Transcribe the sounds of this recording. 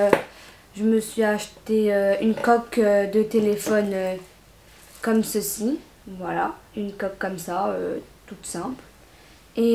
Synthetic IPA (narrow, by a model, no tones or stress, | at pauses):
ʒəməsɥiaʃt̪eøynkɔkød̪ət̪elefɔnø | kɔmsəsi | vwalaynkɔkːɔmsaøt̪ut̪sɛ̃pl | e